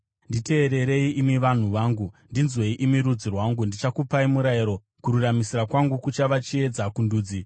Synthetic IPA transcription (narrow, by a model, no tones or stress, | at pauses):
ndite̞ːɾe̞ɾe̞iimiʋan̤uʋaːŋɡundinzwe̞iʔimiɾud͡zirwaŋɡundit͡ʃakupaimuɾaiɾo̞ | kuɾuramisirakwaŋɡukut͡ʃaʋat͡ʃie̞d͡zakunduːd͡zi